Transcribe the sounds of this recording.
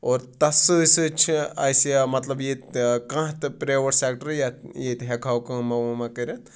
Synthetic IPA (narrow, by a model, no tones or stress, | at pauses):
oːɾt̪ɐsɨsɨt͡ʃʰiɐ̰jsjamɐt̪lɐbjet̪kãɦt̪ɨpɾeːʋɐʈseːk̚ʈəɾjajeːt̪ɦekʰawkɐ̃ːmɐʋmɐkɐɾʲɐn